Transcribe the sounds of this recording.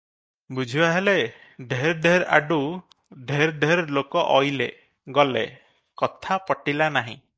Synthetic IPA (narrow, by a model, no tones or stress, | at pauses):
bud͡ʒʱibaɦeleɖʱeɾɖʱeɾa̰ɖu | ɖʱeɾɖʱeɾlokɔʔɔjlḛ | ɡɔlḛ | kɔt̪ʰapɔʈilanaɦḭ̃